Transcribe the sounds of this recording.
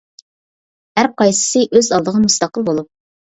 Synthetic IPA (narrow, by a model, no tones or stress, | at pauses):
hæɾ̚qʰɑjsɨ̥sɨʔøzɑlˠd̪əʁmust̪ɑqəlˠbolˠup̚